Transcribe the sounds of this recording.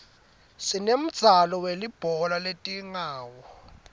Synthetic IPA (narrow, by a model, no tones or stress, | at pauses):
sinem̩d̥z̥ʱalɔwelib̥ʱɔlaletʼiŋaːwɔ